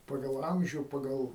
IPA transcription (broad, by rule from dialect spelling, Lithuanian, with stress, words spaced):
ˈpɑːɡɐlˠ ˈɐmʲʒʲuː ˈpɑːɡɐlˠ